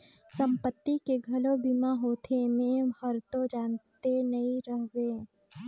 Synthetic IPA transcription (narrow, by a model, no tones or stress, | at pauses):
sə̃mpət̪ːikeɡʱɐlobimaɦoːt̪ʰemẽhəɾt̪od͡ʒaːnt̪enɐɦĩɾəɦʋeː